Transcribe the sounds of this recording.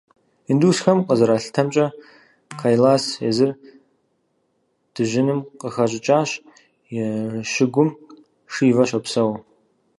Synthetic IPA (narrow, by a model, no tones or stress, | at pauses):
induːsxɐmqəzɐɾaːɬtʰɐmt͡ʃʼɐ | kʰaːjlaːsḛːzɨr | d̥ɨʒɪnɨmqəxɐɕʼɪt͡ʃʼaːɕ | jɪʃɪɡʷʊm | ʂiːvɐɕʷɐpsɐw